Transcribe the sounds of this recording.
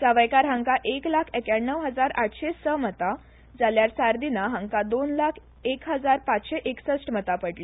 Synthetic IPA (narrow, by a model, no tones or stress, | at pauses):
saʋajkaɾɦãŋkaʔeklakʰɛkjaɳːəʋɦəd͡zaɾaʈʰɕesəmət̪a | d͡zaljaɾsaɾd̪inaɦãŋkad̪onlakʰ | ekɦəd͡zaɾpat͡sɕeʔeksəsʈmət̪apəɽli